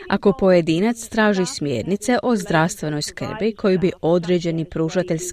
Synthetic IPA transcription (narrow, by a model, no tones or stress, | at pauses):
a̰ko̞po̞je̞d̪iːnat̪st̪ɾaːʒismjḛːɾnit̪se̞ʔo̞zd̪ɾaʋst̪ʋe̞no̞jskr̩bikʰo̞jubiʔo̞d̪ɾed͡ʑe̞nipɾuʒat̪eʎʲs